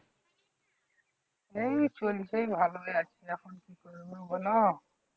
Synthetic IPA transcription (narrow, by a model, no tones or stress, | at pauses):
ejt͡ʃolisejbʱalojat͡ʃʰiɛkʰɔnkikɔɹunobɔnɔ